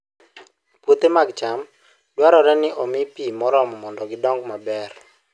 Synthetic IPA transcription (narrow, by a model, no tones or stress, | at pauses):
pwot̪emaɡt͡ʃam | d̥waɾɔɾɛnɪʔɔmɪpimɔɾɔmɔmɔndɔɡɪdɔŋɡmabɛr